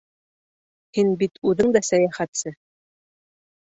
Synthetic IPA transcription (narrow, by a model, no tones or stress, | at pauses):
hinbit̪ʰʉðɘŋd̪ɑsæjæχæt̪sɘ